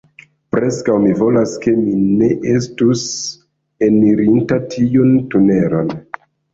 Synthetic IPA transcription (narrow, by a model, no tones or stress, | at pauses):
pɾe̞skawmivo̞laske̞mine̞ʔes̬tus | e̞niɾintatʰiuntune̞ɾon